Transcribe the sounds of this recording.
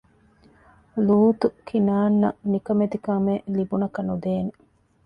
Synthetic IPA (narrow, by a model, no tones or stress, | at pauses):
luːt̪ukʰinaːnːɐnikɐmed̪ikɐmelibunɐkɐnud̪eːne